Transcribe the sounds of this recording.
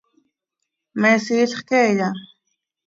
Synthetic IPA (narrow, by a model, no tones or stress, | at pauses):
mesiːɬχkeʎa